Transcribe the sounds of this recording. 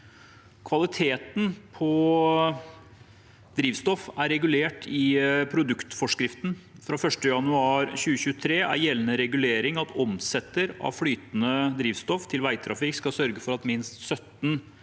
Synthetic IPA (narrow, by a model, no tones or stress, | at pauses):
kʰʋɑlɪt̪ʰeːt̪n̩pʰɔ | d̪ɾiːʋst̪ɔfæɾɛɡʉleːʈʰɪpʰɾʊd̪ʉkt̪fɔʂkɾɪft̪n̩fɾɑːfœʂʈəjɑnʉɑːɾɕʉːəçʉːət̪ʰɾeːæ̰ɾjɛlːənəɾɛɡʉleːɾɪŋɑt̪ʰɔmsɛt̪ːəɾɑ̰ʋflyːt̪nəd̪ɾiːʋst̪ɔft̪ʰɪlʋæɪt̪ʰɾɑfɪkskɑsœɾɡəfɔɾɑt̪mɪnst̪sœt̪n